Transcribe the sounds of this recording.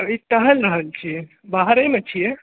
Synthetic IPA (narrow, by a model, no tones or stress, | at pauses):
iʈ̪əɦəlɾəɦəlt͡ʃʰije | baɦɾemet͡ʃʰije